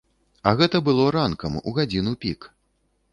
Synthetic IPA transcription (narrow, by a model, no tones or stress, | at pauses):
ɐɣɛt̪ɐbɨlˠɔɾankɐmṵɣad͡zʲinupʲik